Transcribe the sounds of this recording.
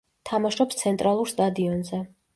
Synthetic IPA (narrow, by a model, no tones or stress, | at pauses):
t̪ʰamaʃɾɔpst̪sʰɛnt̪ʼɾalˠuɾst̪ʼad̪iɔnzɛ